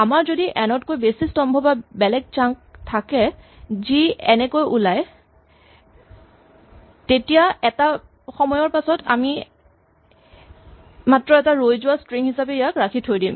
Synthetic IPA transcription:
amaɹzodiʔɛnɔtkojbesistɔmbʱɔbabɛlɛk̚t͡ʃaŋk̚tʰakɛ | ziɛnɛkojʔulaj | tetijaɛta | xɔmɔjɔɹpasɔta̰mi | matɹɔɛtaɹojzʊwastɹiŋhisapɛjakɹakʰitʰojdim

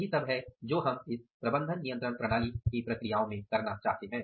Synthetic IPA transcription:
ɦisɐbɦɛd͡ʒoːɦɐmɪspɾɐbə̃nd̪ʱənːijə̃nt̪ɾəɽ̃pɾɐɽ̃aːlikipɾɐkɾijaːõmẽkɐɾnat͡ʃa̰ːɦt̪eɦɛ̃ː

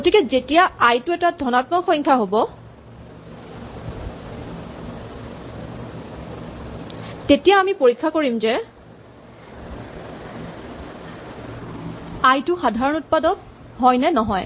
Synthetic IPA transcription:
ɡotikɛzetijaajtʊɛtadʱɔnatmɔxɔŋkʰaɦobɔ | tetijaːmipoɹikʰːakoɹimzɛ | ajtʊxadʱaɹɔnut̚padɔk̚ | ɦɔjnɛnɔɦɔj

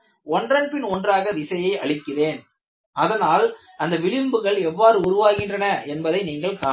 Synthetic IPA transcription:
ɔndrɐnpɪnɔndraːɣɐʋɪsɐjɐɪʔɐɭɪkːɪreːn | ɐðɐnaːl | ɐnd̪ɐʋɪɭɪmbɯɣɐɭɛʋːaːɾɯʊɾʊʋaːɣɪndrɐnɐɛnbɐðɐɪniːŋɡɐɭkaː

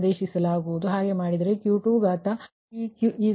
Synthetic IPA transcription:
d̪eːʃisɐlaːɡuʋud̪uɦaːɡemaːɽid̪ɐɾekjuːʈuːɡaːt̪ɐ | iuiː

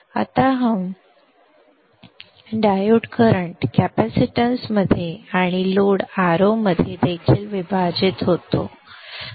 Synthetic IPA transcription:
a̰t̪aɦəm | ɖajuʈkəɾəɳʈkæpæsiʈənsməd̪ʱjeaɽ̃iloɽaɾoməd̪ʱːjed̪et͡ɕelʋibʱad͡ʑit̪ɦot̪o̰

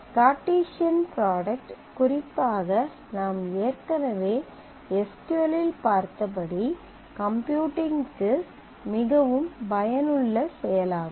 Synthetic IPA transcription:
kaːʈːiːʂɪɐnpɾaːɽɐk̚ʈ | kʊrɪpːaːɣɐ | naːmeːrkɐnɐʋeː | ɛskɯʋɐlɪlpaːɾt̪ɐp̬ɐɽi | kɐmpjuːʈɪŋkɯ | mɪɣɐʋɯmbɐjɐnɯɭːɐsɛjɐlaːɣ

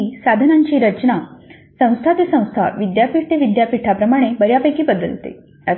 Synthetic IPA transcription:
isad̪ʱənaɲt͡ɕiːɾət͡ɕna | sə̃w̃st̪ʰat̪esə̃w̃st̪ʰa̰ʋid̪japiʈʈ̪eʋid̪japiʈʰapɾəmaɽ̃ebəɾjapəjkiːbəd̪əlt̪ḛ | a

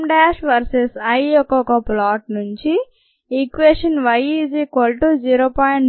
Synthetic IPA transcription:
mɖaːʃʋɐɾsesɐjɔkɔkɐplaːʈ̚nuɲt͡ʃi | ikʋeːʂɐnʋɐjizikʋɐlʈud͡ʒiːɾoːpaːjɳ

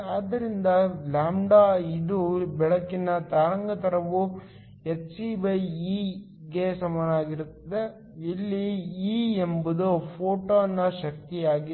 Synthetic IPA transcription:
aːd̪ːɐɾind̪ɐlaːmɖaːid̪ubɛɭɐkːinɐt̪aːɾɐŋɡɐt̪ɐɾɐʋu | et͡ʃsiːbɐji | ɡe̞sɐmaːnɐaːɡiɾut̪ːɐd̪e | ilːiiːembud̪upʰoːʈoɐnːɐʃɐk̚t̪ijaːɡi

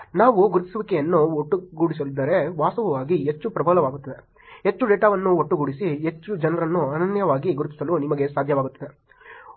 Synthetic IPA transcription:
naːʋuɡuɾut̪ːi̥sɐʋikɛjɐnːuoʈːuɡuːɽis̬ɐlid̪ːɐɾe̞ʋaːsɐʋɐʋaːɡiɦet͡ʃːupɾɐbʱɐːlɐʋaːɡut̪ːɐd̪e̞ | ɦet͡ʃːuɖeːʈaːʋɐnːuoʈːuɡuːɽisiɦet͡ʃːud͡ʒɐnɐɾɐnːuɐnɐnjɐʋaːɡiɡuɾut̪ːi̥sɐlunimɐɡesaːd̪ʱjɐʋaːɡut̪ːɐd̪e̞

